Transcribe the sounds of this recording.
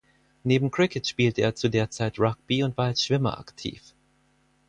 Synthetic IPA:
neːbm̩kʁ̥ɪkətʃpiːltəeːɐt͡sudeːɐt͡saɪtʁak̚b̥iʊntv̥aːɐalsʃv̥ɪmɐ̰ʔa̰ktʰḭːf

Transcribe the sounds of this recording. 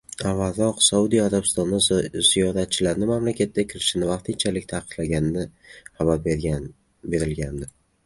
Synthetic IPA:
avaɾɒqsaud̪ijaɾabɪst̪ɒnːazijɒɾat̪̚t͡ʃʰɪlaɾnɪmamlakʲʰat̪ːakʲʰɪɾɪʃɪnɪvɑqt̪ʰɪnt͡ʃʰalɪk̚ʲt̪ʰaqʰɨ̥qlaɡʲanɪnɪχabaɾbeɾʲ | be̞ɾɪlɡʲand̪ɪ

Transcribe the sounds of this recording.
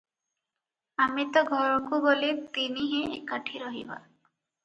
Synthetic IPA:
amit̪ɔɡʱɔɾɔkuɡolet̪iniɦẽʔḛkaʈʰiɾɔɦḭba̰

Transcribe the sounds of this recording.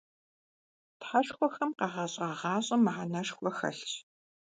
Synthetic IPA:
tħaʃxʷɔxɐmqɑːʁɐɕʼɐʁɑːɕʼɐmɐħanɐʃxʷɔxɐ̰ɬɕ

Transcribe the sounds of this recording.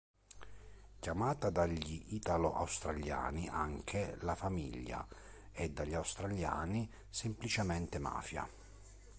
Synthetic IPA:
kʲjamaːt̪ad̪aʎːiʔiːt̪aloʔa̰wst̪ɾaʎja̰ːniʔaŋkʰelafamḭʎːa̰ | ɛd̪ːaʎːawst̪ɾaʎja̰ːni | semplit͡ʃemɛnt̪ema̰ːfja̰

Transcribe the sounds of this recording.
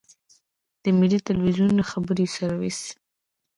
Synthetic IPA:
d̪̥əmilit̪alwizjunlaxabəɾisaɾwis

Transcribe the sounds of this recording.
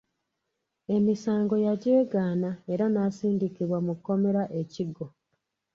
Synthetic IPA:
e̞misaːŋɡo̞jaɟeːɡaːnae̞ɾanaːsiːndikiβwamukːo̞me̞ɾaʔe̞ciɡo

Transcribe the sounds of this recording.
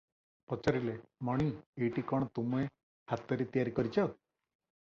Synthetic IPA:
pɔt͡ʃɔɾilemɔɽ̃ieʈikɔɽ̃ɔt̪umue | hat̪ɔɾit̪ijaɾikɔɾit͡ʃʰɔ

